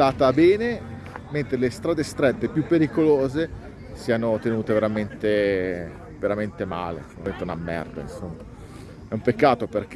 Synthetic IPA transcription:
aːt̪abɛːne | ment̪ɾelest̪ɾaːd̪est̪ɾet̪ːepjupːeɾikoloːze | siːanot̪enuːt̪eveɾament̪e | veɾament̪ema̰ːlḛoment̪eunamːɛ̰rd̪a̰ḭnsomːa | ɛumpekːaːt̪operk

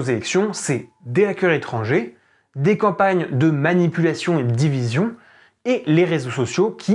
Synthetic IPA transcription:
ozelɛksjɔ̃sɛ | d̪eakʲœʁet̪χɑ̃ʒe | d̪ekɑ̃paɲd̪əmanipylasjɔ̃ed̪əd̪ivizjɔ̃ | eleʁezosɔsjokʲʰi

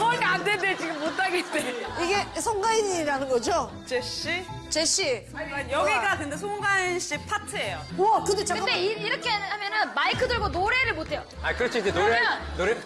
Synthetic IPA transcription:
kʰʌɡandendet͡ɕiɡɯmːotʰaɡeit͈eiɡe̞sʰʌŋɡaiɲiɾanɯnɡʌd͡ʑo | t͡ɕeɕ͈it͡ɕeɕ͈i | anjʌɡiɡatɯndesʰoŋɡanɕ͈itʰatʰɯejoʌkɯndet͡ɕakɯkadeiiɾʌkʰehamjʌnɯnmaikʰɯdɯɭɡonoɾe̞ɾɯɭmotʰe̞jo | aikɯɾʌt͡ɕʰoid͡ʑenoɾenoɾe

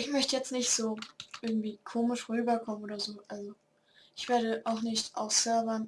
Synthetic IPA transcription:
ʔɪçmœçtəjɛt͡stnɪçtz̥oːʔɪɐɡŋ̩tv̥iːkʰoːmɪʃʁyːbɐkʰɔmənʔoːdɐzoːʔalzo | ɪçv̥eːɐɾəʔaʊxnɪçtʔa̰ʊsœɐbɐn

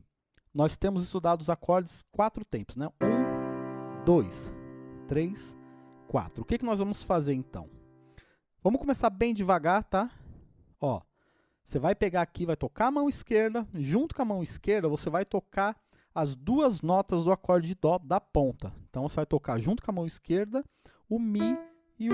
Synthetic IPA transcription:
nɔst̪ẽmʊzɪst̪ud̪ad̪ʊzakʰɔɾd͡ʒɪskwat̪ɾʊt̪ẽmpʊ̥znɛũ | d̪ojst̪ɾejs | kwa̰t̪ɾʊːkɪkɪnɔzvɐ̃mʊsfazeɾẽt̪ɐ̰̃w̃ | vɐ̃mʊkomesaɾbẽj̃d͡ʒɪvaɡaɾt̪a | ɔ | vosevajpeɡaakivajt̪okaɐmɐ̃w̃iskeɾd̪ɐʒũnt̪ʊkõɐmɐ̃w̃iskeɾd̪ɐvosevajt̪oka | ɐzd̪uɐznɔt̪ɐzd̪ʊakɔɾd͡ʒɪd̪ɔd̪ɐpõnt̪ɐẽnt̪ɐ̃w̃vosevajt̪okaɾʒũnt̪ʊ̥kõɐmɐ̃w̃iskeɾd̪ɐ | ʊmi | ɪ

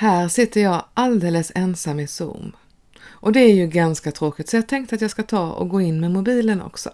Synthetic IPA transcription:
hæːɾʂɪt̪ːəɾjɑːɡʔald̪eːləsɛnsamːɪsṵːm | ʔɔd̪ɛæɾjɵɡanskat̪ʰɾoːkɪt̪sɔjɑːt̪ʰɛŋkt̪əat̪jɑːɡskat̪ʰɑːɔ̰ɡoːɪnːmɛmʊbiːlənɔ̰ksɔ̰

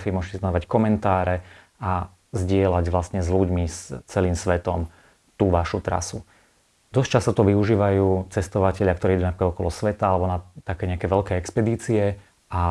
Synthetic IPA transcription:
fimʊɔʒɛcɛsɛnɔʋackɔmɛnt̪aːɾɛ | a | zɟɪɛlaɟʋlasɲɛzʎuɟmist͡sɛliːmsʋɛt̪ɔm | t̪uːʋaʃut̪ɾa̰su | d̪ɔst͡ʃast̪ɔt̪ɔʋiuʒiːʋajuːt͡sɛst̪ɔʋacɛʎɪakt̪ɔɾiiduːnapɾikad̪ɔkɔlɔsʋɛt̪aalɛbɔnat̪akɛːɲɛakɛːʋɛʎkɛːɛkspɛd̪iːt͡siɛ | a

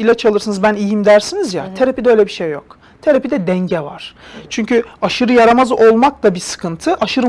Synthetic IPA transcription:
ilʲat͡ʃʰalˠɯɾsɯnɯzbænijimd̪æɾsinizjat̪ʰeɾapid̪ɛø̞jlʲɛbiʃejːok̚ | t̪ʰeɾapid̪ɛd̪ɛɲɟɛvaɾ̥t͡ʃʰyɲcyaʃɯɾɯjaɾamazʔo̞lˠmaklˠabisɯ̥kʰɯnt̪ʰɯʔaʃɯɾɯ

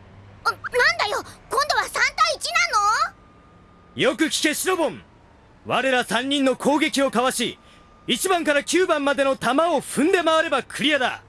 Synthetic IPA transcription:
nãnd̪ajo̞kõ̞nd̪o̞βasãnt̪aiit͡ɕinãnːo | jo̞kɯ̟kʲi̥ke̞ɕiɾo̞bõ̞ŋ | βaɾe̞ɾasãɲ̟ːĩnːo̞kʰo̞ːɡe̞kʲio̞kaβaɕi | it͡ɕibãŋkaɾakʲɨːbãmːad̪e̞no̞t̪amaoɸɯ̟̃nd̪e̞maβaɾe̞bakɯ̟ɾʲijad̪a̰

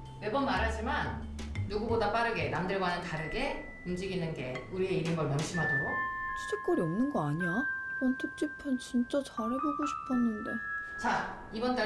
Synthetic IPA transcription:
we̞bʌnmaɾɦad͡ʑimanːuɡubodap͈aɾɯɡe̞namdɯɭɡwanɯntaɾɯɡe̞ | umd͡ʑiɡinɯnɡe̞̰uɾieiɾɯnɡʌɭmjʌŋɕʰimɦadoɡot͡ɕʰu̥t͡ɕʰek͈ʌɾiʌmnɯnɡʌaɲiaʌntʰɯk̚t͡ɕ͈ipʰʌnt͡ɕimt͡ɕ͈ʌt͡ɕaɾeboɡoɕʰi̥pʰʌnːɯnde̞̰t͡ɕa | ibʌnte

